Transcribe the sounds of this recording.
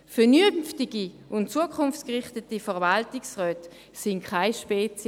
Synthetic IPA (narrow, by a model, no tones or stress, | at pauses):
fɛnynftɪɡi | ʔʊntt͡suəkʰχʊnft͡skʁɪχtətifɛɐvaltɪksʁœːt | sɪŋkʰaɪʃpɛt͡s